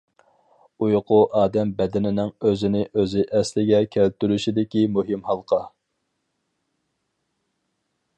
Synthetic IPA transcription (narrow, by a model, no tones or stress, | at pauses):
ujqʰʊʔɑːd̪ɛmbɛd̪ɪnɪnɪŋøzɪnɪʔøzɪʔɛslɪɡʲɛkʲʰælt̪yɾyʃid̪ɪkʲimuɦɪmhɑlˠqʰɑ